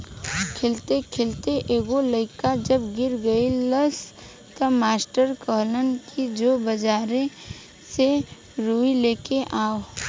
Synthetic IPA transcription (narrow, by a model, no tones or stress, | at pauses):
kʰelt̪ekʰelt̪eʔeːɡoləɪkad͡ʒəbɡɪɾɡəiləs | t̪əmaːsʈəɾkəɦlənkid͡ʒoːbəd͡ʒaːɾẽ | se | ɾuːileːkeʔaːo